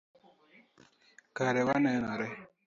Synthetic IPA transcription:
kaɾewanɛnaɾɛ

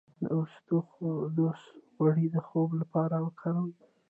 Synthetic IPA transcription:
ʊst̪oxd̪osɣwaɽid̪əxoblapɑɾawəkʰaɾəm

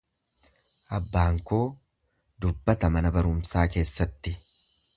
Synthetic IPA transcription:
ʔɐbːaːŋko̞ː | d̪ʊbːɐt̪ɐmɐnɐbɐɾʊmsaːke̞ːsːɐt̪ːɪ

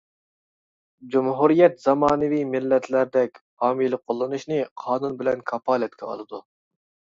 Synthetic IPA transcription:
d͡ʒumɦuɾijɛt̪z̥ɑmɑːnɨvimɪlːɛt̪ʰlæɾd̪ɛkʲhɑːmilˠɪqʰolˠːɨnuʃnɨqʰɑːnunbɪlɛnkʰɑpɑːlɛt̪̚kʲʰɛɑ̰lˠɨd̪u

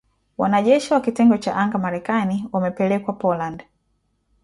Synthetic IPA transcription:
wa̰naʄɛʃiwakitɛŋɡɔt͡ʃa̰ʔaŋɡamaɾɛkaniwamɛpɛlɛkwapɔland

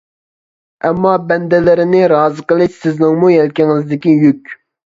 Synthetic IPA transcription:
ɛmːɑbɛnd̪ɪlɪɾɪnɪɾɑːzɨqəlˠɨʃsɪznɪŋmujɛlkʲɪŋɪzd̪ɪkʲijykʲ

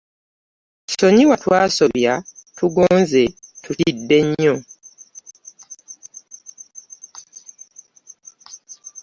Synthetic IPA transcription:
so̞ɲiwatwaːso̞βjatuɡoːnze̞tutidːe̞ɲːo̞

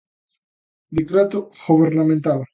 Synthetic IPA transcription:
d̪ikɾat̪oɣoβeɾnamẽnt̪al

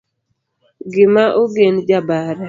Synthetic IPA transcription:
ɡɪmaʔoɡend͡ʒabaɾɛ

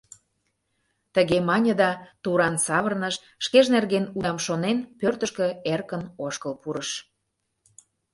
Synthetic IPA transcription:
t̪əɣemɑnʲə̆d̪ɑt̪uɾɑnsɑβərnəʃ | ʃkeʒnerɣenuɑmʃonenpørt̪ə̆ʃkø̆erkənoʃkəlpuɾəʃ

